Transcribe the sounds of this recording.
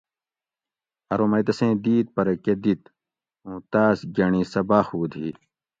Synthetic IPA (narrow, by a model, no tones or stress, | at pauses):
ɐɾoːmɐjd̪ɐsẽːd̪iːt̪̚pɐɾked̪it̪ | ũːt̪aːsɡɐɳĩːsɐbaːxuːd̪ʱiː